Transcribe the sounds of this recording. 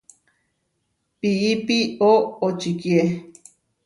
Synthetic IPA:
piipioot͡ʃikje

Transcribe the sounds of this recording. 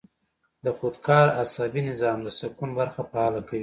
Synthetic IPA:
d̪əxod̪kʰɑɾasɑbinɪzɑmd̪əsakunbaɾxapaɑlakawi

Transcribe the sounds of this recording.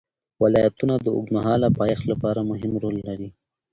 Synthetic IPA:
wɪlɑjat̪unad̪əʊ̰ɡnaɦɑlapɑjaxlapɑɾamʊɦɪmɾolːaɾi

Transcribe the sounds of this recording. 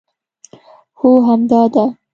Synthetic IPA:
hoɦamd̪ɑd̪a

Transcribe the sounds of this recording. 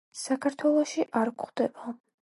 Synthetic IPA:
sakʰaɾt̪ʰwɛlˠɔʃiʔaɾkχd̪ɛb̥a

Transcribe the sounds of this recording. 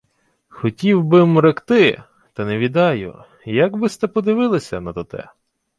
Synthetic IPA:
xɔtʲiwbɪmɾekt̪ɪ | t̪ɐneʋʲid̪ɑjʊ̰ | jɐɡbɪst̪ɛpɔd̪ɪʋɪlˠesʲɐ̰nɐt̪ɔt̪ɛ̰

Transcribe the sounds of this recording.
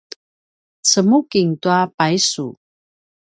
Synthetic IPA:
t͡səmukiŋtuapaisu

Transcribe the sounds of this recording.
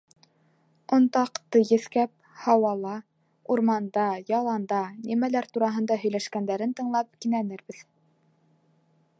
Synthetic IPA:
ŏnt̪ɑqt̪ɤjɘ̆θkæp̚hɑwɑlˠɑ | uɾmɑnd̪ɑjɑlˠɑnd̪ɑnimælæɾt̪uɾɑɦɤ̆nd̪ɑɦɵ̆jlæʃkænd̪æɾɘnt̪ɤ̆ɴlˠɑp̚kinænɘɾbɘð

